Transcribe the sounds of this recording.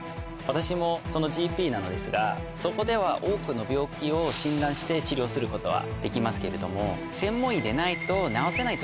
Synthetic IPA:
βat̪aɕimo̞so̞no̞ʑiːpʲiːnano̞d̪e̞sɨɡa̰ | so̞ko̞d̪e̞β̞aʔo̞ːkɯ̟no̞bʲo̞ːkʲio̞ɕĩnd̪ãɰ̃ɕi̥t̪e̞t͡ɕiɾʲjo̞ːsɨɾɯ̟ko̞t̪o̞βa̰d̪̥e̞kʲimasɨ̥ke̞ɾe̞d̪o̞mo̞ | sẽ̞mːõid̪e̞nait̪o̞naose̞nait̪o

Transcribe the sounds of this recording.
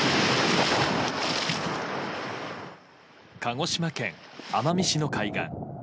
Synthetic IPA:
kʰaŋo̞ɕimakẽ̞̰ŋamamʲiɕino̞kaiɡã̰ŋ

